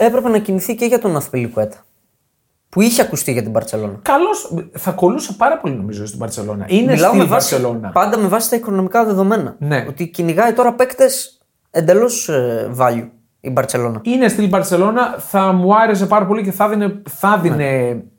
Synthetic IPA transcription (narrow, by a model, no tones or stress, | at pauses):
e̞pɾe̞pe̞nɐciniθice̞ʝɐt̪onɐθpilikue̞t̪ɐ̥ | puiçeɐkust̪iʝɐt̪ibɐɾt̪e̞lo̞̰nɐkɐlo̞sθɐko̞lusepɐɾɐpo̞lino̞mizoist̪ibɐɾt͡se̞̰lo̞̰nɐ̰ʔinelɐomevɐɾselo̞nɐ̰pɐnd̪ɐme̞vɐsi̥t̪ɐiko̞no̞mikɐðe̞ðo̞me̞nɐ̰neot̪iciniɣɐit̪o̞ɾɐpe̞kt̪e̞s | e̞nd̪e̞lo̞svɐʎu | ibɐɾse̞lo̞nɐinest̪ilbɐɾse̞lo̞nɐθɐmuɐɾe̞s̬e̞pɐɾɐpo̞lice̞θɐðineθɐðine̞